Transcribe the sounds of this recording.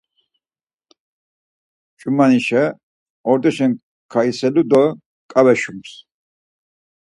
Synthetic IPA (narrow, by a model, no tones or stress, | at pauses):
t͡ʃʼumaniʃɛ | ɔɾd̪ʼɛʃɛn | kʰaisɛlud̪ɔ | kʼawɛʃums